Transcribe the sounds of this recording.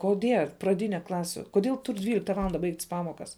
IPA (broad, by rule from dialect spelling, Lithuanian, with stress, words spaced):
koːˈdʲiɛ prɐˈdʲiːnʲɛ ˈklˠɑːsʲuː koːˈdʲeːlˠ tuːrʲ ˈdʲʋʲiːlʲɪktɐ ˈʋɑːlˠɐndɐ ˈbɐɪktʲsʲ ˈpɑːmoːkɐs